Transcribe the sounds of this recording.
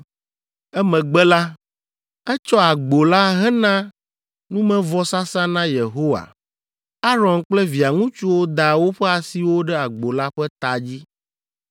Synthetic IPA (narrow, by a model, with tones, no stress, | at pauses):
ɛ˦mɛ̃˨ɡ͡bɛ˦la˦ | ɛ˦t͡ʃɔ˦a˨ɡ͡bo˨la˦ɦɛ˦nã˦ | nũ˦mɛ̃˦vɔ˦sa˦sã˦nã˦je˨ɦo˦wa̰˨ | a˦ɾɔ̃˨ŋk͡plɛ˦vi˨a˨ŋũ˦t͡ʃu˦wo˦d̪a˨wo˦ɸɛ˦a˨si˨wo˦ɖɛ˦a˨ɡ͡bo˨la˦ɸɛ˦t̪a˨d͡ʑi˦